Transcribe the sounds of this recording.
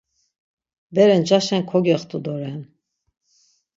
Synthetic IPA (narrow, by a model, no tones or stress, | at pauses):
bɛɾɛnd͡ʒaʃɛnkʰɔɡɛχt̪ʰʼud̪ɔɾɛn